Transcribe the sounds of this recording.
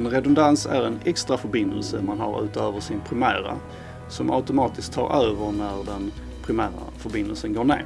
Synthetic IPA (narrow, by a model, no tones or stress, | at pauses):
nɾɛd̪ʊnd̪ansæ̰ɾɛnɛkst̪ɾafœɾbɪnd̪əlsəmanɦaɾʉ̟ːt̪øːvəʂɪnpʰɾɪmæːɾa̰ | sɔmʔa̰ʊt̪ʊmɑːt̪ɪsk̚t̪ʰːɑ̰ːɾøːvəɾnæɾd̪ɛn | pʰɾɪmæːɾa̰fœɾbɪnd̪əlsənɡoːɳḛː